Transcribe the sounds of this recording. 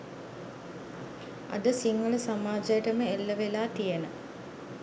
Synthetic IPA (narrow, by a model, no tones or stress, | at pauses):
a̰d̪əsiŋːuləsamaːd͡ʒɐjəʈəməelːəʋelaːt̪ijenə